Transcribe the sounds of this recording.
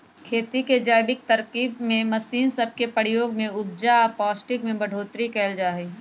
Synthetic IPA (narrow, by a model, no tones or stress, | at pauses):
kʰeːt̪iked͡ʒaːjbɪk̚t̪ɐɾkiːbmẽmɐsiːnsɐb̚ʱkepəɽjoːɡmẽʊb̚d͡ʒapɔːsʈɪkmẽbɐɖʱoːt̪ɾikɛːld͡ʒaːɦiː